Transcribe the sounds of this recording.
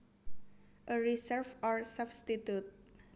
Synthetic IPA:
ʔəɾisɛrfɔrsabst̪it̪jut̪̚

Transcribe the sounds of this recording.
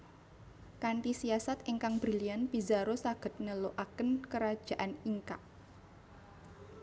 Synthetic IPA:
kaɳʈisiasat̪eŋkaŋbɾilianpizaɾosaɡ̥ə̤t̪̚nəloʔakənkəɾad̥ʒ̥a̤ʔaniŋkaʔ

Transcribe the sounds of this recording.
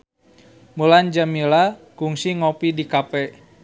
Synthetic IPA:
muland͡ʒamilakuŋsiŋɔpidikapɛ

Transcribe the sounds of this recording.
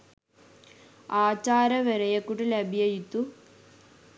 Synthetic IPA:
aːt͡ɕːaːɾɐʋeɾɐjɐkːuʈːilɐbʱjɐjit̪ːu

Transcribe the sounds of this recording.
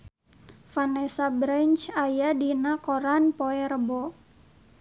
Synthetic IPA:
fanɛsabɾant͡ʃajadinakɔɾanpoɛrəbɔ

